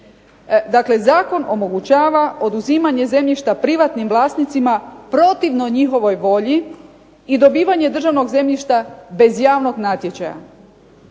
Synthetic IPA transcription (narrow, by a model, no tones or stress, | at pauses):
d̪akle̞zaːko̞nomo̞ɡut͡ɕaːʋao̞d̪uziːmaɲe̞ze̞mʎiʃt̪apɾiʋat̪nimʋlˠaːst̪nit̪simapɾo̞t̪iʋnoɲixo̞ʋo̞jʋo̞ʎiː | d̪o̞biːʋaɲe̞d̪r̩ʒaʋno̞ɡze̞mʎiʃt̪abe̞zjaːʋno̞ɡnat̪je̞t͡ɕaja̰